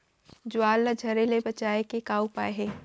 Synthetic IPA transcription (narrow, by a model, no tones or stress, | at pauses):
d͡ʒʊaːlːad͡ʒʱɐɾelebɐt͡ʃaːekekaːupaːeɦeː